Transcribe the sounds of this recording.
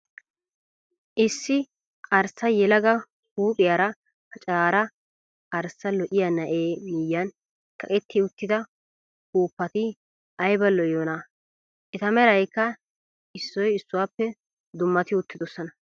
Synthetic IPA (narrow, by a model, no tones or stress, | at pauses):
ʔɪsːɪ | ɐɾsɐjɛlɐɡɐ | huːpʼɪjaɾɐ | hɐt͡ʃʼaːɾɐ | ʔɐɾsːɐlɔʔɪjanɐʔeːmɪjːɐn | kɐkʼɛt̪ːɪʊt̪ːɪd̪ɐ | huːpːɐt̪ɪ | ʔɐjbɐlɔjjoːna | ʔɛt̪ɐmɛɾɐjkːɐ | ɪsːɔjɪsːʊwaːpːɛ | d̪ʊmːɐt̪ɪʊt̪ːɪd̪ɔsːɔnɐ